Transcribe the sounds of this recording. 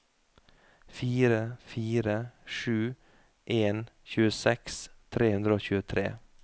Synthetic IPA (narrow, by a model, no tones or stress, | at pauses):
fiːɾəfiːɾəʂʉː | ʔeːnçʉːəsɛkst̪ʰɾeːhʉnɾəoːçʉːət̪ʰɾḛː